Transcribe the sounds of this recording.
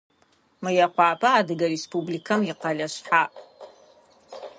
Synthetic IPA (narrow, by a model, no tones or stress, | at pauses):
majaqʷaːpʰʼaːdɨɡaɾespʰublikʰamiqalʲaʃʷħaʔ